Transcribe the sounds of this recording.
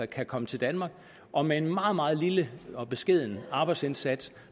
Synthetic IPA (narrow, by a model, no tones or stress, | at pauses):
ɐkʰækʰɒ̽mət͡sʰe̝ld̥ænmɑ̈ːɡ̥̚ | ʔɒ̽mee̝nmɑ̈ːð̞̩ˠmɑ̈ːð̩ˠliləɒ̽b̥e̝sɡ̥e̝ð̞̰ˠnəɑ̈ːb̥ɑɪd̥sensæd̥s